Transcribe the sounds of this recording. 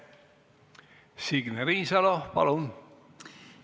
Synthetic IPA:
siɡneɾiːsɑlopɑ̰lun

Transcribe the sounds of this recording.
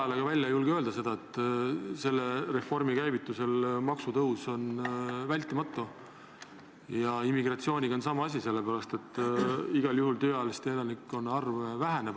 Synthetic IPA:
ɑleɡ̥ɑvælʲjɑjulɡ̥eø̞ːld̪̥ɑse̞d̪̥ɑet̪ːˑse̞lːere̞fo̞rmikæjvit̪ːˑuse̞lmɑksut̪ɤwso̞nvælʲt̪ːˑimɑt̪ːˑu | jɑimːiɡrɑt̪sio̞ːnʲiɡ̥ɑonsɑmɑɑs̬ʲise̞lːepæɾɑst̪e̞t̪ˑːiɡ̥ɑljuɦult̪ø̞ːɑlest̪eelɑnikːˑo̞nɑrvvæɦe̞neb

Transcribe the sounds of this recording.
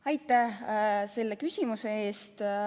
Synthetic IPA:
ɑjt̪ːˑæhse̞lːe̞kysʲimuse̞e̞ːst̪

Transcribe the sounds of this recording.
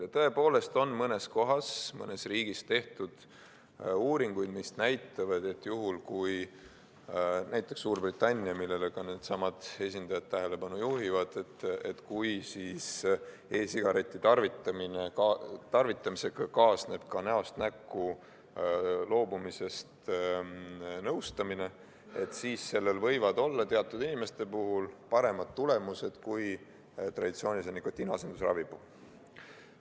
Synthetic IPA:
jɑt̪ɤe̞po̞ːle̞st̪o̞nmɤne̞sko̞ɦɑsmɤ̰ne̞sriːɡ̥ist̪e̞ht̪ud̪̥ | uːɾiŋɡ̥ujd̪̥misnæjt̪ːˑɑvɑd̪̥e̞t̪ːˑjuɦulkuj | næjt̪ːˑeksːuːrbrit̪ːˑɑnʲːiɑmilːe̞le̞kɑneːd̪̥sɑmɑd̪̥e̞s̬ʲind̪̥ɑjɑt̪ːæɦe̞le̞pɑnujuɦivɑd̪̥et̪ːet̪kujsiːs | e̞ːsiɡ̥ɑɾe̞t̪ʲːˑit̪ɑrvit̪ːˑɑminekɑt̪ɑrvit̪ːˑɑmise̞kkɑːsne̞b̥̚kɑneost̪nækːˑu | lo̞ːbumise̞st̪ | nɤwst̪ɑmine̞ | et̪siːsse̞lːe̞lvɤjvɑd̪o̞lːɑt̪e̞ɑt̪ːˑud̪̥inime̞st̪e̞puɦulpɑɾe̞mɑd̪̥̚t̪ule̞muse̞d̪̥kuj | t̪rɑ̰d̪it̪sio̞ːnʲisenikːˑo̞t̪ʲːˑinɑsend̪̥usrɑ̰vib̥u

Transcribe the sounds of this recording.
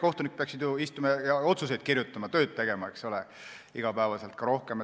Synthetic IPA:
ko̞ht̪unik̚peɑksid̪juist̪umɑjɑjɑo̞t̪sus̬e̞jd̪̥̚kirjut̪ːˑɑmɑt̪ø̞ːd̪̥̚t̪e̞ɡ̥e̞mɑekso̞le | iɡ̥ɑpæːvɑselt̪kɑɾo̞hke̞m

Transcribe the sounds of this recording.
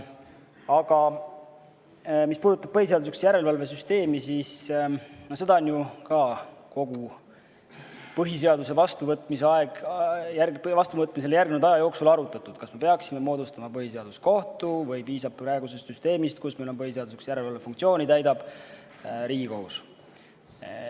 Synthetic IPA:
ɑɡɑ | mispuːd̪ut̪ːˑɑb̥̚pɤhis̬ed̪usuksjæɾe̞lvɑlve̞s̬yst̪e̞ːmisis | nose̞d̪ɑonjukɑko̞ɡ̥u | pɤɦis̬e̞ɑd̪us̬e̞vɑst̪uvɤt̪ːˑmiseɑe̞ɡ̥jævɑst̪uvɤt̪ːˑmis̬e̞lejæɾɡmnuld̪ɑjɑjo̞ːksulɑɾut̪ːˑɑt̪ːud̪̥kɑsme̞pe̞ɑksime̞mo̞ːd̪ust̪ɑmɑpɤhise̞ɑd̪̥usko̞ht̪uvɤjpiːsɑb̚pɾæeɡuse̞st̪syst̪e̞ːmist̪̚kusmelo̞mpɤhis̬e̞ɑd̪usuksjæɾe̞lvɑlvefuŋkt̪sio̞ːnit̪æjd̪ɑb̥ | ɾiːɡikous

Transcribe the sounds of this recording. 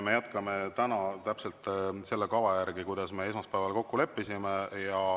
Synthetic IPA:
me̞jæt̪kɑme̞t̪ænɑt̪æpselt̪se̞lːe̞kɑvɑjæɾɡ̥ikujd̪̥ɑsme̞e̞s̬mɑspæevɑlko̞kːule̞pːisimejɑ

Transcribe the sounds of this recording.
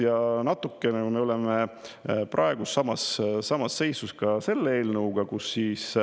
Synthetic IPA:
jɑnɑt̪ːˑukːˑe̞nekume̞o̞lɛmeprʔɑe̞ɡ̥usːɑmɑssɑmɑsːe̞jsuskɑse̞lːee̞ːlnɤuwɡ̥ɑkusːiːs

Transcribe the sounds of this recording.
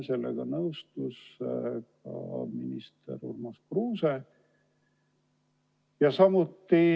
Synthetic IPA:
se̞lːḛɡ̥ɑnɤwst̪uskɑ̰minist̪ḛɾṵrmuskruːse | jɑsɑmut̪ːi

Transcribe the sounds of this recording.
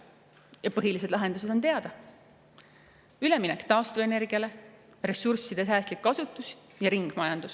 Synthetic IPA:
jɑpɤɦilised̪̥lɑɦe̞nd̪us̬e̥o̞nt̪e̞ɑd̪̥ɑ | yleminɛkt̪ɑːst̪veene̞rɡ̥iɑle̞ | re̞sursːid̪̥e̞s̬æːst̪likːɑsut̪ːˑus | jɑɾiŋɡ̥mɑjɑnd̪us

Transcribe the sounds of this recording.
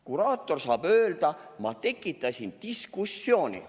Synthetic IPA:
kuɾɑːt̪ːˑo̞rsɑːb̥øːld̪̥ɑmɑt̪e̞kːˑit̪ːˑɑsʲint̪iskusːjo̞ːnʲḭ

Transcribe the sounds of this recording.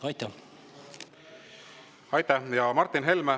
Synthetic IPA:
ɑjt̪ːɑ | ɑjt̪ːˑæhjɑmɑrt̪ːinɦe̞lme

